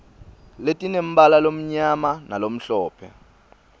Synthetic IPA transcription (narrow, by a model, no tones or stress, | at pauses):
letʼinem̩balalom̩ɲamanalom̩ɬɔːpʰɛ̰